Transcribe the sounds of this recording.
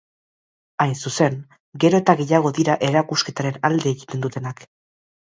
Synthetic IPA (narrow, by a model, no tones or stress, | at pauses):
ajnsuse̞ŋ | ɡe̞ɾo̞e̞t̪aɣe̞jaɣ̞o̞ðiɾaʔe̞ɾakuske̞t̪aɾe̞nald̪e̞ːɣit̪e̞nd̪ut̪e̞nak